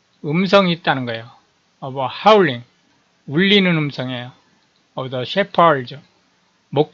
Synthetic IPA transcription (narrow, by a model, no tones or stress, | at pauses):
ɯms̬ʰʌŋit̚t͈anɯnɡʌejo | ʌbʌhauɭːiŋ | uɭːinɯnɯmsʰʌŋejo | ʌbdʌɕʰepʰʌɭd͡ʑu | mok̚